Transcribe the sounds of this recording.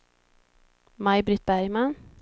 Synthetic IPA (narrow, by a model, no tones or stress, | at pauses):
majbɾɪt̪̚bæɾjman